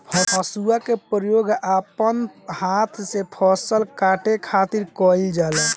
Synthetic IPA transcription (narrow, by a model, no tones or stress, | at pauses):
pʰɔəsuakepɾəjoɡapənhat̪ʰsepʰɔsəlkaʈekʰat̪iɾkɔjld͡ʒalɛ